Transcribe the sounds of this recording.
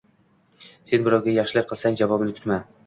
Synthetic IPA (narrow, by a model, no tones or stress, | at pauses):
se̞nbɪɾɒwɡʲajɑχʃɪlɪk̚ʲqʰɨlˠsaŋd͡ʒavɒbɪnɪkʲʰʊ̥t̪ma